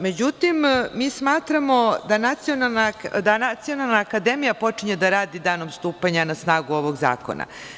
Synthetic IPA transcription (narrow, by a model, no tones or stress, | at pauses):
me̞d͡ʑut̪immiːsmaːt̪ɾamo̞d̪anat̪sio̞nalˠnakd̪anat̪sijo̞nalˠnaːkad̪emijapo̞t͡ʂiɲed̪aɾaːd̪id̪aːno̞mst̪uːpaɲanasnaːɡuo̞ʋo̞ɡza̰ːko̞̰na̰